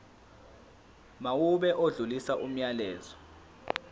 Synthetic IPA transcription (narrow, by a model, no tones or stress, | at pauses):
mawuɓɛʔoɮulisaʔum̩ɲalɛːzɔ